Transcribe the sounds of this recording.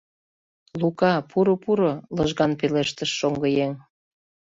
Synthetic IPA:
lukɑpuɾopuɾoləʒɣɑnpeleʃt̪əʃːoŋɡəjeŋ

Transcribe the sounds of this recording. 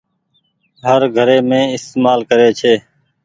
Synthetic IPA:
ɦəɾɡʱəɾeːmẽːɪst̪eːmaːlkəɾeːt͡ʃʰeː

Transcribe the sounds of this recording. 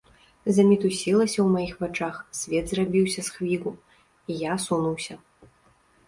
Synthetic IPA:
zɐmʲit̪usʲilˠɐsʲɐwmajixvat͡ʂaxsʲvʲɛd̪zrabʲiwsʲɐsxvʲiɣu | ijasunuwsʲɐ

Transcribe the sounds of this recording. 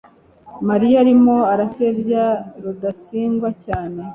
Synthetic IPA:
maɾijaaɾimoaɾasebjaɾudasiːŋɡwacaːne̞

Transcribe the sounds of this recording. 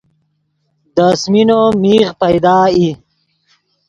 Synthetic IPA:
d̪əsminomiːʁpɐjd̪aːi

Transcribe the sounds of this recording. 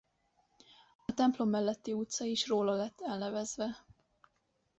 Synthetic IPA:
ɒt̪ɛmplo̞mːɛlːɛt̪ːiut̪sɒiʃroːlɒlɛt̪ːɛlnɛvɛzvɛ

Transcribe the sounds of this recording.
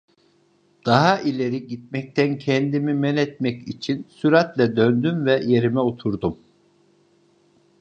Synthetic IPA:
d̪̥aɦaʔilʲeɾiɟit̪̚mɛc̚t̪ʰæncʰɛnd̪imimɛnɛt̪mɛcit͡ʃʰinsyɾat̪lʲɛd̪ønd̪ymvɛje̞ɾimɛot̪ʰuɾd̪um

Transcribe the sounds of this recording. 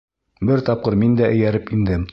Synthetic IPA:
bɘɾt̪ɑp̚qɤɾmind̪æʔɘ̆jæɾɘpind̪ɘm

